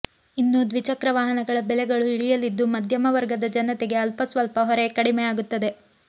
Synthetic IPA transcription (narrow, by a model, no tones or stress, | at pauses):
inːud̪ʋit͡ʃɐkɾɐʋaːɦɐnɐɡɐɭɐbɛlɛɡɐɭuiɭijɐlːid̪ːumɐd̪ʱjɐmɐʋɐɾɡɐd̪ɐd͡ʒɐnɐt̪eɡe̞ɐlpɐsʋɐlpɐɦɔɾe̞kɐɽimɛjaːɡut̪ːɐd̪e̞